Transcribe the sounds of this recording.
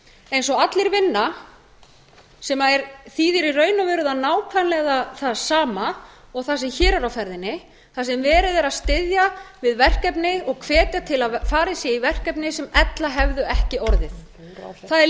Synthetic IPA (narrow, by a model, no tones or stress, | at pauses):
ejns̬ɔat̪lɪɾvɪnːa | sɛmaɛɾθiːðɪɾirœːɥnavɛːɾʏðaðnaːwkʰvanlɛɣaθaðsaːma | ɔɣθasɛmçɛːɾɛɾawfɛɾðɪnːɪ | θasɛmvɛːɾɪðɛɾaðst̪ɪðjavɪðvɛr̥kɛpnɪɔɣkʰv̥ɛːt̪jat̪ʰɪlaðfaːɾɪsjɛivɛr̥kɛpnɪsɛmɛt̪laɦɛvðʏɛhcɪɔɾðɪθ | θaðɛ